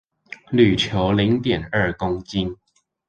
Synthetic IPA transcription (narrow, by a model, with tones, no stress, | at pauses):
ly˨˩t͡ɕʰjo˨˦˥ʊli˨˧˥ŋt̪jɛ˨˩nə˞˥˧˨kʊ˥ŋt͡ɕi˥n